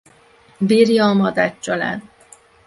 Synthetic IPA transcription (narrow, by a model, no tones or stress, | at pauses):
biːrjɒːmɒd̪at͡ʃt͡ʃːɒla̰ːn